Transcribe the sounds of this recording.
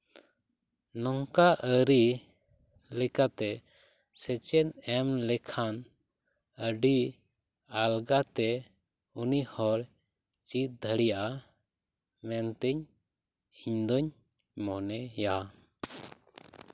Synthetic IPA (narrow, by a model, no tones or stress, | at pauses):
nɔŋkaʔəɾi | lɛkat̪ɛ | sɛt͡ʃɛnɛmlɛkʰan | əɖi | alɡat̪ɛ | unihɔɽ | t͡ʃit̪̚d̪ʱəɽijaʔa | mɛnt̪ɛɲ | iɲd̪ɔɲ | mɔnɛja